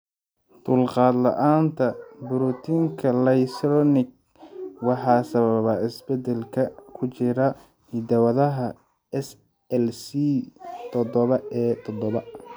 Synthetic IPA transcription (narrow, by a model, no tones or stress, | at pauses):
d̪̥ʊlqɑːd̪lɐ̰ʔaːnt̪ʰɐbʊɾut̪ʰiŋkʰɐlɐjsɾɔnɪɡ̚ | wɑħɑːsɐβɐβɐɪsbɛd̪ɛlkʰɐkʰʊt͡ʃɪɾɐ | hid̪ɐwɐðɐɦɐ | ɛs | ɛlsit̪ʰɔd̪ɔβɐɛːt̪ʰɔd̪ɔβɐ